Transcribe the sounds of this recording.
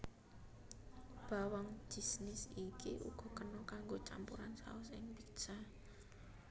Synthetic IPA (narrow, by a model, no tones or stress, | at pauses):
b̥a̤waŋd͡ʒ̥i̤snɪsikiʔṵɡ̥ɔ̤kənɔkaŋɡot͡ʃa̰mpuɾansa̰ʊsɪŋpik̚sa